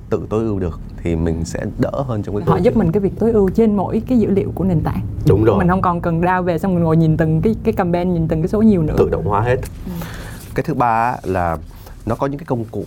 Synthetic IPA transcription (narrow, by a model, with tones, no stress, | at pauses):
t̪ɨ̰˧˨t̪o˨˦jʔɨ˧əwɗɨ˨˩ək̚t̪ʰi˨˩mï˨˩ŋ̟sɛ̰˧˥ɗə̰ː˧˥ɦəː˧nt͡ɕɔ˧wŋ͡mkːa˨˦˨hɔ̰˧˨zp̚mï˨˩ŋ̟aː˨˦vi˨˩ək̚t̪o˨˦jʔɨ˧wt͡ɕe˧nmo̰˧˥˨jkaː˨˦jzɨ̰˧˥lḭ˧˨əwku˧˩əne˨˩nt̪a̰ː˧˨jɗʊ˨˦ŋ͡mo˨mï̟˨˩hə˧wŋ͡mkɔ˨˩nkə˨˩nɗaː˧wve˨˩sa˧wŋ͡mŋo˨˩jɲi˨˩nt̪ɨ˨˩ŋkaː˨˦jkaː˨˦jka˨˩mɓɛ˧nɲi˨˩nt̪ɨ˨˩ŋkaː˨˦jso˨˦ɲi˨˩əwnɨ̰˧˥ɨ̰˧˨ɗə̰˧˨wŋ͡mhwaː˨˦ɦe˦˥t̚ | kaː˨˦jt̪ʰɨ˨˦ɓaː˧˦laː˨˩ | nɔ˨˦kɔ˨˦ɲɨ̰˧˥kaː˨˦kə˧wŋ͡mkṵ˧˨